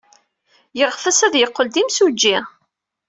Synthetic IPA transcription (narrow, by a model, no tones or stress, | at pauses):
jəʁfəsæðjəqːəld̪imsud͡ʒːi